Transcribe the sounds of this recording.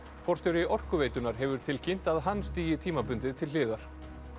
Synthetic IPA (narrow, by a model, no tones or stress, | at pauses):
fɔr̥t̪jɔwɾɪʔɔr̥kʏveːjt̪ʏnaɾ̥ɦɛvʏɾ̥t̪ʰɪlcʰin̥t̪aðɦanːst̪iːjɪt̪ʰiːmapʏnt̪ɪt̪ʰɪlɪːðaɾ̥